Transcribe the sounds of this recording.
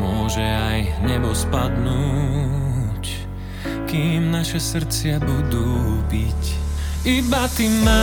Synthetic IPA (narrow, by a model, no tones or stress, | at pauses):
mʊɔʒɛajɲɛbɔspad̪nuː | c | kiːmnaʃɛsr̩t͡sɪabud̪uːbicibat̪imːa